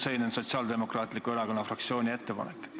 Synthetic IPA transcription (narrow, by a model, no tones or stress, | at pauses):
sejnenso̞t̪siɑːld̪e̞mo̞krɑːt̪ˑlikːˑue̞ɾɑko̞nːɑfrɑk̚t̪sio̞ːnʲie̞t̪ːe̞pɑ̰nek̪ːˑ